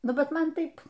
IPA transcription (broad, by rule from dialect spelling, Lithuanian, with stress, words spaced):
ˈnʊ ˈbʲɛt ˈmɐn ˈtɐɪp